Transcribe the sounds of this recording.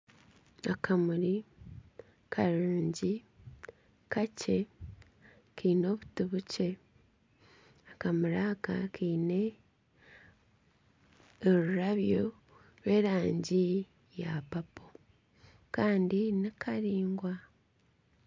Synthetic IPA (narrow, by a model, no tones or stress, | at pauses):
akʰamuɾi | kʰaɾuːɲɟi | kace̞ | kiːno̞ːβutuβuce̞ | akamuɾaːka̰kʰiːne̞ | ɾuɾaβjo̞ | ɾwe̞ːɾaːɲɟi | japapo̥ | kaːndinikʰaɾiːŋɡwa